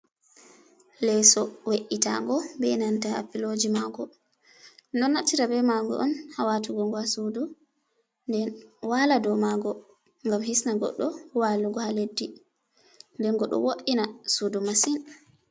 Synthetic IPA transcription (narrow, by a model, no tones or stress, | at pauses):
lɛsɔweʔːita̰ŋɡɔbɛnantaa̰pilod͡ʒimaɡɔ | dɔnːatːiɾabɛmaɡɔ̰ʔɔnhawatuɡɔŋɡwasudu | ndɛnwaladɔmaɡɔ | ŋɡamhisnaɡɔ̰ɗːɔwaluɡɔhaledːi | ndɛnɡɔɗɔ̰woʔinasudumasin